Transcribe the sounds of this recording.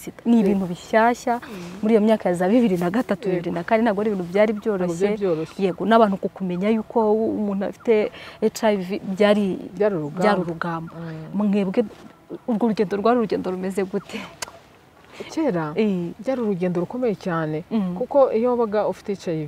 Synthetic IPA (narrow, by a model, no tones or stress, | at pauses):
sitaniβiːnuβiʃaːʃamuɾijomumɲaːkajazaβiβiɾinaɡatatuβiβiɾinakaːndinaɡoɾeβiːn̥uβjaːɾiβjo̞ːɾo̞ʃeɾje̞ɡonaβaːn̥ukukume̞ɲajuːkʰomuːn̥ua̰fi̥teːtɾavibjaːɾiaɾuɾuɡaːɾuɾuɡaːmbomuŋeβɡe | uɾɡoɾuɟeːndoɾɡwaːɾiɾuɟe̞ːndoɾume̞ze̞ɡutʰe | ceɾaeɟaɾuɾuɟeːndoɾuko̞mejecaːne̞kuko̞ijoβaɡaofi̥tecajiv